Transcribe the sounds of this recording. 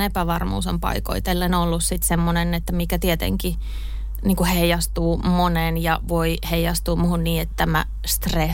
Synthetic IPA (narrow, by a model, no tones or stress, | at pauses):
nepæʋɑrmṵːsempɑ̰iko̰it̪elːenolːussit̪semːonenet̪ːæmikæt̪iet̪ḛŋki | niːŋkuheijɑst̪uːmonenjɑ̰ʋoihejɑst̪uːmuhunniːet̪t̪ːæmæ̰ | st̪re